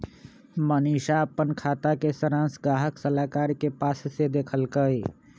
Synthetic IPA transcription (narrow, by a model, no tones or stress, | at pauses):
məniʃaəpːənkʰat̪akesəɾãnsɡɾaɦəksəlakaɾkepassed̪ekʰəlkəj